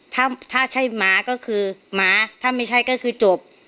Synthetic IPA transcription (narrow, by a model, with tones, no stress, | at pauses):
t̪ʰaː˥˩t̪ʰaː˥˩t͡ɕʰa˥˩jmaː˩˦˥kɔː˥˩kʰɯː˧maː˨˦˥t̪ʰaː˥˩ma˥˩jt͡ɕʰa˥˩jkɔː˥˩kʰɯː˧t͡ɕo˨˩p̚